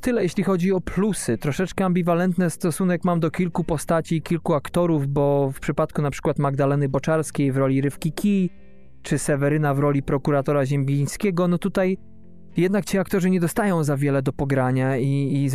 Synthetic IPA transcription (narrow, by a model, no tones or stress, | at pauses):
t̪ɘlɛjeɕlʲixɔd͡ʑiɔpʰlusɘt̪ɾɔʂɛt͡ʂkɛambʲivalɛnt̪nɛst̪ɔsun̪ɛkmamd̪ɔkʲilkupɔst̪at͡ɕiːkʲilkuakt̪ɔɾuvbɔfpʂɘpat̪kunapʂɘ̥kwat̪maɡd̪alɛnɘbɔt͡ʂaɾskʲejvɾɔlʲiɾɘfkʲikʲi | t͡ʂɘsɛvɛɾɘnavɾɔlʲipɾɔkuɾat̪ɔɾaʑɛmɡʲij̃skʲɛɡɔnɔt̪ut̪aj | jɛd̪nakt͡ɕiakt̪ɔʐɘɲɛd̪ɔst̪ajɔ̃w̃zavʲjɛlɛd̪ɔpɔɡɾaɲaiː